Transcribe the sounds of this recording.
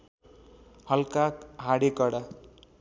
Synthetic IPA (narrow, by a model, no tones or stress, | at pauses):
hʌlkakɦaɽekʌɽa